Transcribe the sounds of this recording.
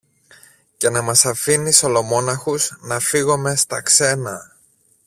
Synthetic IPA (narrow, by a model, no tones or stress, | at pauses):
ce̞nɐmɐsɐfiniso̞lo̞mo̞nɐxuznɐfiɣo̞me̞st̪ɐkse̞nɐ